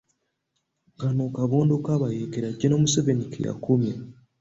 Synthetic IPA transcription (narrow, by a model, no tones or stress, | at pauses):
ɡanokaβoːndokaːβajeːkeɾaɟenomusevenikʰḛja̰kumja